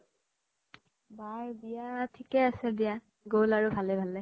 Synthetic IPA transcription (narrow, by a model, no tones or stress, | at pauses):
baɹbijatʰikɛasɛdija | ɡolaɹubʱalɛbʱalɛ